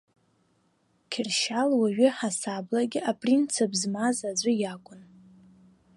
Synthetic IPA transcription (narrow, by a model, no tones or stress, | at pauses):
kʲʰɪrʃalwaɥᶣʏħasablaɡʲɪʔapʼrint͡sʰabzmazad͡zʷʊjakʷʼʊn